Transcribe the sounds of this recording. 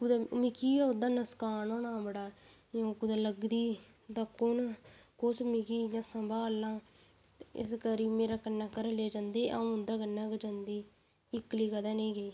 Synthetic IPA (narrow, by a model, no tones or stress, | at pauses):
kud̪amɪkiːaːʊd̪aːnəskaːnoːnãːbəɽaːjõːkʊd̪aləɡd̪iː | d̪aːkʊnkʊsmɪkiːjãːsəmbaːlːãː | ɪ̰skəɾiːmeːɾaːkənːaːkəɾəleːd͡ʒãːnd̪eːʔaũnd̪aːkənːãːkəd͡ʒãːnd̪iː | ɪkːliːkəd̪aːnẽːɡəiː